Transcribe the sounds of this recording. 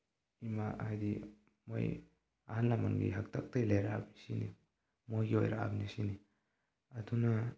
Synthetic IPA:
imaahajdi | mo̰j | a̰hanlama̰ŋɡḭɦak̚tʰak̚tajlajɾaabnisinḭ | mojɡio̰jɾa̰ʔa̰bnisini | aduna

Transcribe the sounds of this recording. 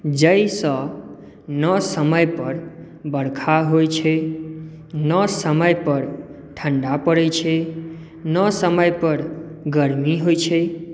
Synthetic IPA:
d͡ʒəjsə | nəsəməjpəɾ | bəɽkʰaɦojt͡ʃʰe | nəsəməjpəɾ | ʈʰəɳɖapəɽejt͡ʃʰe | nəsəməjpəɾ | ɡəɾmiɦojt͡ʃʰe

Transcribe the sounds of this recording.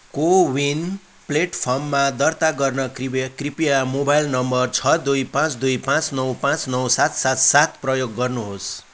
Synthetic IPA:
kowin | pleʈpʰʌrmːad̪ʌrt̪aɡʌrnʌkikripijamobajlnʌmbʌrt͡sʰʌd̪ujpãt͡sd̪ujpãt͡snʌwpãt͡snʌwsat̪sat̪sat̪prʌjoɡːʌrnuɦos

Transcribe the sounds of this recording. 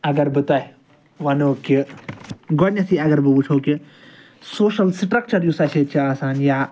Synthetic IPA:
ɐɡɐɾbɨt̪ɐ | ʋɐnoːki | ɡɔɽnʲɐsiɐɡɐɾbɨbut͡ʃʰoːki | soːʃɐlsʈɾɐk̚t͡ʃɐɾjusɐet͡ʃʰiaːsaːnjaː

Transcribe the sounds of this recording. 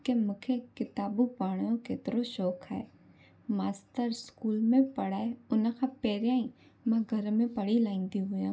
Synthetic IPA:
kemʊkʰekɪt̪aːbupaːɽ̃jõket̪ɾoʃɔːkʰɦɛ̰ː | maːst̪əɾskuːlmẽpəɽaːeʊnkʰapeːɾjãːĩ | mãɡʱɐɾmẽpəɽilãːĩnd̪iɦʊjãː

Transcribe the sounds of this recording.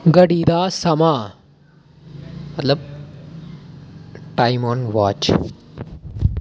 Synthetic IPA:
ɡɐɽid̪aːsɐmaː | ɐlɐp | ʈɐɪmɔːnʋaːt͡ʃ

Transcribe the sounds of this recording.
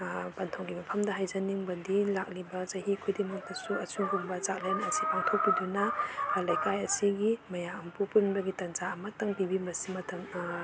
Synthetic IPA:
pantʰawɡimɐpʰɐmdɐɦajzaniŋbɐdilak̚libɐzaɦikʰujdimak̚tasuɐsuŋɡuŋbɐzak̚lenɐsipaŋtʰɔk̚pidunɐlajkajɐsiɡimɐjaɐmpupunbɐɡitɐnzaːmataŋpibimbɐsimɐtʰɐm

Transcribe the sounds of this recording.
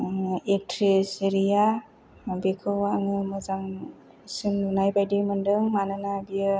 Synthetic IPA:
ek̚tʰɾeseɾija | bekʰɯwaŋɯmɯzaŋ | sɯmnɯnajbajdimɯndɯŋmanɯnabijɯ

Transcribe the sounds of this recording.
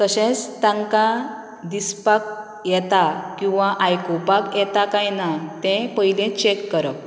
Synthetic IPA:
k̪əɕɛ̃t͡st̪ãŋka | d̪ispak̚ | jɛt̪akĩw̃ʋãʔajkopakjɛt̪akajnat̪ɛ̃pəɦilɛ̃t͡ɕekːəɾəp̚

